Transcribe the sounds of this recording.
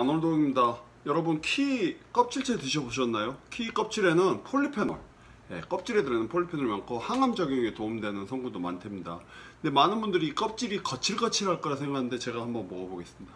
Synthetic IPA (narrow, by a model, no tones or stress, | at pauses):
anoɭdoŋimɲida | jʌɾʌbɯnkʰik͈ʌp̚t͡ɕʰiɭt͡ɕʰetɯɕ̬ʰʌboɕ̬ʰʌnːajokʰik͈ʌp̚t͡ɕʰiɾe̞nɯnpʰoɭːipʰenʌ̰ɭ | je̞̰k͈ʌp̚t͡ɕ͈ʰiɾe̞dɯɾenɯnpʰoɭːipʰenʌɭmankʰohaŋamd͡ʑʌɡjʌŋetoumdwe̞nɯnsʰʌŋɡudoma̰ntʰemɲida̰nde̞manɯnbundɯɾiːk͈ʌp̚t͡ɕ͈iɾikʌt͡ɕʰiɭk͈ʌt͡ɕʰiɭɦaɭk͈ʌɾasʰe̞ŋɡakʰanɯnde̞t͡ɕe̞ɡahambʌnboʌboɡe̞s͈ɯmɲid̥a